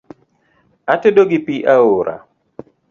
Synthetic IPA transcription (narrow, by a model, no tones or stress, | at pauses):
atedoɡipiʔaoɾʔa̰